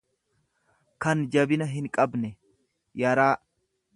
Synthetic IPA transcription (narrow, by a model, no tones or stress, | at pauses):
kɐnd͡ʒɐbɪnɐɦɪŋkʼɐbnɛ | jɐɾaː